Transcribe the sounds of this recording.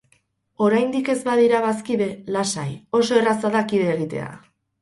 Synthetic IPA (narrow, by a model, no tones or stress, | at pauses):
o̞ɾajnd̪ike̞zbaðiɾaβaskiðelasajo̞so̞e̞rasaðakiðeːɣ̞it̪e̞̰a̰